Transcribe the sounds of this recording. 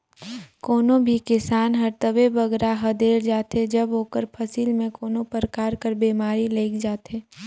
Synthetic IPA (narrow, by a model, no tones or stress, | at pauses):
koːnõbʱikɪsaːnɦɐɾt̪əʋebəɡɾaɦɐd̪eːɾd͡ʒaːt̪ed͡ʒɐbɦoːkəɾpʰɐsiːlmẽkoːnõpəɾkaːɾkəɾbeːmaːɾileːkd͡ʒaːt̪eː